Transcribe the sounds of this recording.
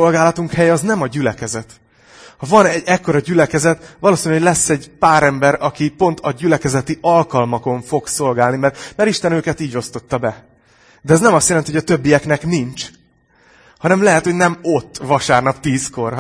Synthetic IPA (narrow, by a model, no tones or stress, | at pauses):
o̞lɡaːlɒt̪uŋkhɛjɛɒznɛmɒɟylɛkɛzɛt̪ | hɒvɒnɛɛkːo̞ɾɒɟylɛkɛzɛt̪vɒloːsinɛhoɟlɛsːɛɟpaːɾɛmbɛɾɒkipo̞nt̪ʰɒɟylɛkɛzɛt̪iʔɒlkɒlmɒko̞ɱfo̞ɡso̞lɡaːlnimɛrmɛɾiʃt̪ɛnøːkɛt̪iːɟo̞st̪o̞t̪ːɒbɛ | d̪ɛɛznɛmɒst̪jɛlɛnt̪ihojɒt̪øbːijɛknɛknint͡ʃ | hɒnɛmlɛɦɛt̪honɛmo̞t̪ːvɒʃaːrnɒpt̪iːsko̞r